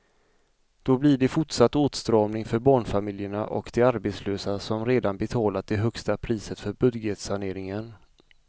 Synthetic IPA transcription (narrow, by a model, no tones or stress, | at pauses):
d̪̥ɔblɪɖɛfʊʈʂat̪ːoːt̪st̪ɾɑːmnɪŋfœɾbɑːɳfamɪljəɳaʔɔ̰kd̪̥ɛaɾbeːt̪sløːsasɔmɾeːd̪anbɛt̪ʰɑːlat̪̚d̪ɛɦœkst̪apʰɾiːsət̪fœɾbɵd̪jət̪saɳeːɾɪŋən